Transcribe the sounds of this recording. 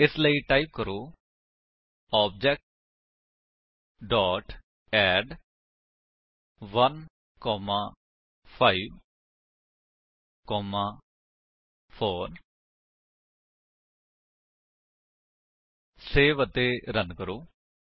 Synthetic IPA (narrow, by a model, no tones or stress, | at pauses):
ɪsləiːʈaːiːp̚kəɾoː | ɔːb̚d͡ʒɛːk̚ʈ | ɖɔːʈ | ɛːɖ | ʋən | kɔːmãː | pʰaːiːʋ | kɔːmãː | pʰoːɾ | seːʋəd̪eːɾənkəɾoː